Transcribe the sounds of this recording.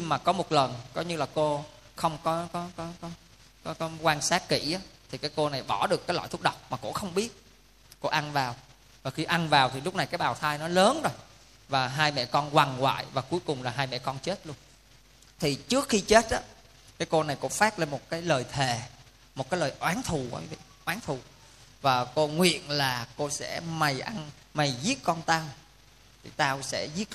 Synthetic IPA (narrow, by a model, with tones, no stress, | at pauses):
ɲi˧ŋmaː˨˩kɔ˨˦mo˨˩t̚lə˨˩nkɔ˨˦ɲɨ˧laː˨˩ko˧ | xə˧wŋ͡mkɔ˨˦kɔ˨˦kɔ˨˦kɔ˨˦ | kɔ˨˦kɔ˨˦kwaː˧nsaː˦˥k̚kḭ˧˩ʔaː˨˦t̪ʰi˨˩kaː˨˦jko˧na˨˩jɓɔ˧˩ɗɨ˨˩əkːaː˨˦jlɔ̰˧˨t̪ʰu˦˥k͡p̚ɗə˨˩wk͡p̚maː˨˩ko̰˧˥xə˧wŋ͡mɓi˦˥ət̚ | ko̰˧˥ʔa˧nvaː˨˩w | vaː˨˩xi˧ʔa˧nvaː˨˩wt̪ʰi˨˩lʊ˦˥k͡p̚na˨˩jkaː˨˦jɓaː˨˩wt̪ʰaː˧jnɔ˨˦ləː˨˦nzo˧j | vaː˨˩ɦaː˧jmɛ̰˧˨kɔ˧nkwa˨˩ŋwa̰ː˧˨jvaː˨˩ku˨˦jkʊ˨˩ŋ͡mlaː˨˩ɦaː˧jmɛ̰˧˨kɔ˧nt͡ɕe˦˥t̚lu˧ən | t̪ʰi˨˩t͡ɕɨ˦˥ək̚xi˧t͡ɕe˦˥t̚ʔaː˨˦ | kaː˨˦jko˧na˨˩jko̰˧˥faː˦˥k̚la˧˩mo˨˩t̚kaː˨˦jləː˨˩jt̪ʰe˨˩ | mo˨˩kaː˨˦jləː˨˩jʔwaː˨˦nt̪ʰu˨˩a̰˧˦vḭ˧˨ʔwaː˨˦ŋt̪ʰu˨˩ | vaː˨˩ko˧ŋwḭ˧˨ənlaː˨˩ko˧sɛ̰˧˥ma˨˩jʔa˧n | ma˨˩jzi˦˥ət̚kɔ˧nt̪aː˧w | t̪ʰi˨˩t̪aː˧wsɛ̰˧˥zi˦˥ət̚